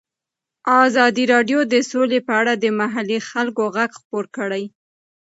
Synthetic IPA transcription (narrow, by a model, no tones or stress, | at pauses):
ɑzɑd̪iɾɑɖjod̪əsolepəaɽad̪əmaɦalixalkoɣaɡxpoɾkəɽaj